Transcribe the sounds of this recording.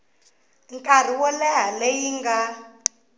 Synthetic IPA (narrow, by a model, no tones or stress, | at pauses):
ŋkʼar̤iwɔlɛɦalejiŋɡa